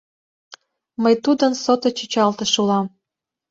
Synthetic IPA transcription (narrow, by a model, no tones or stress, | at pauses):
məjt̪ud̪ənsot̪ot͡ɕət͡ɕɑlt̪ĕʃulɑm